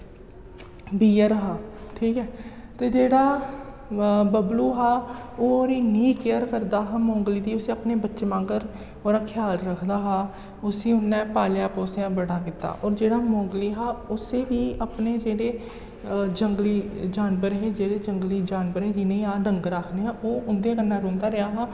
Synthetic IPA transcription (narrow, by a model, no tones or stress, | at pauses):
biːəɾɦaːʈʰiːkɦɛːt̪eːd͡ʒeːɽaː | bəbluːɦaːoːɾiːniːkejəɾkəɾd̪aːɦaːmɔ̃ːŋɡliːd̪iːʊseːəpneːbətːʃmãːɡəɾ | oːɾaːkʰjaːlɾəkʰd̪aːɦaː | ʊsiːʊnːɛ̃ːpaːljaːpoːseãːbəɽaːkɪt̪ːa̰ːʔɔːɾd͡ʒeːɽaːmɔ̃ːŋɡliːɦaːʊseːʋiːəpneːd͡ʒeːɽeː | d͡ʒəŋɡliːd͡ʒaːnbəɾɦeːd͡ʒeːɽeːd͡ʒəŋɡliːd͡ʒaːnbəɾɦɛːd͡ʒɪnẽĩːaːɖəŋɡɾaːkʰneːɦãːʔoːʊnd̪ẽːkənːãːɾõːnd̪aːɾɪjaːɦaː